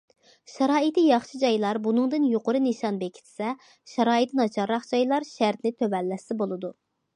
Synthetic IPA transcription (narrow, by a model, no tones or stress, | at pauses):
ʃɑɾɑːit̪ɪjɑχʃid͡ʒɑjlˠɑɾbunɨŋd̪ɨnjoqʊɾɨnɨʃɑnbekʲʰi̥t̪ʰsɛ | ʃɑɾɑːit̪nɑt͡ʃʰɑɾːɑχd͡ʒɑjlˠɑɾʃæɾt̪nɪt̪ʰøvɛlːɛsɪbolˠɨd̪u